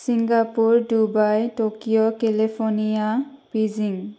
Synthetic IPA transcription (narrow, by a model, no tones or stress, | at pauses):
siŋɡapuɹdubajtokijɔkelipʰonijapiziŋ